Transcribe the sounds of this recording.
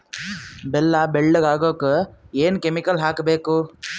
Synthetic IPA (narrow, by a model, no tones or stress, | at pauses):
bɛlːɐbɛɭːɐɡaːɡoːkeeːnkemikɐlɦaːkbeːku